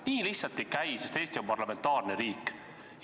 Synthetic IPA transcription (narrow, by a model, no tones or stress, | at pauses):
niːlihsɑt̪ːˑekæjsest̪eːst̪io̞mpɑrlɑme̞nt̪ːɑːrneɾiːkː